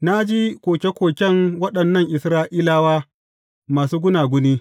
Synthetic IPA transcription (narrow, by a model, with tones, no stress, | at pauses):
na˦d͡ʒiː˦kʷoː˨kʲe˦kʷoː˨kʲɛ˦ŋwɐ˦ɗɐ˨nːɐ˦˨ŋʔɪ˨sɾaː˦ʔiː˦laː˦waː˦ | maː˨suː˦ɡʷʊ˦naː˨ɡʷʊ˦niː˦